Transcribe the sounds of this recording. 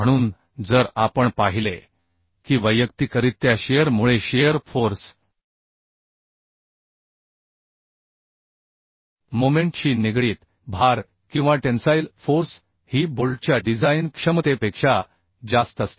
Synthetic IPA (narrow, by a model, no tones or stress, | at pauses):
əɽ̃uːn | d͡zəɾapəɳpaɦile | kiːʋəjəkt̪ikəɾiːt̪ːjaɕejəɾmuɭeɕejəɾfoɾs | momeɳʈɕiːniɡɭiːt̪ | bʱaɾ | kĩw̃ʋaʈensailfoɾs | hiːbolʈt͡ɕjaɖid͡zainkʂəmt̪epekʂa | d͡zast̪əst̪e̥